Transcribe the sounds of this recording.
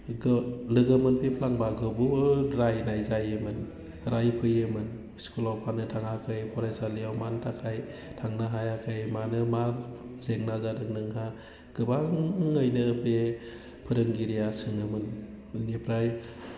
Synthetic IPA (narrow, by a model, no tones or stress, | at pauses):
ɡlɯɡɯmɯnpʰipʰlaŋbaɡɯbuɾajnajzajɯmɯn | ɾajpʰɯjɯmɯn | skulawpʰanɯtʰaŋakʰɯjpʰɔɾasalijawmantʰakʰajtʰaŋnaɦajakʰɯjmanɯmazeŋnazadɯŋnɯŋɦa | ɡ̥ɯbaŋːɯjnɯbe | pʰɯɾɯŋɡiɾijasɯŋɯmɯn | nipʰɾaj